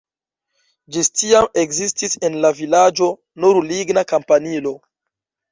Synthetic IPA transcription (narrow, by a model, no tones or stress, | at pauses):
d͡ʒistiamekzistise̞nlavilad͡ʒo̞ | nuɾliɡnakampanilo̞